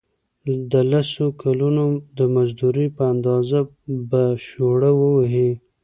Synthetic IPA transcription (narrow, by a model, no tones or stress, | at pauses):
d̪əlasokʰalunod̪əmazd̪uɾipəand̪ɑza | baʃoɽəwəwaɦe